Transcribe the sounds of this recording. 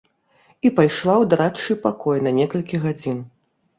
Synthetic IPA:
ipajʂlˠawd̪aɾat͡ʂɨpakɔjnɐnʲɛkɐlʲkʲiɣad͡zʲin

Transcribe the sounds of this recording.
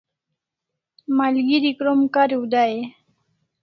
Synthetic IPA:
malɡiɾikɾomkaɾiwd̪ae

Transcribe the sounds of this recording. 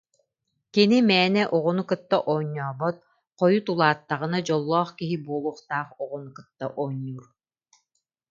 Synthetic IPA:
kinimɛːnɛʔuʁunukɯt̪ːaʔɔːɲːɔːbɔt̪̚ | qɔjut̪ulˠaːt̪ːaʁɯnad͡ʑɔlˠːɔːχkiɦibuɔlˠuχt̪aːχuʁunkɯt̪ːaʔɔːɲːuːɾ

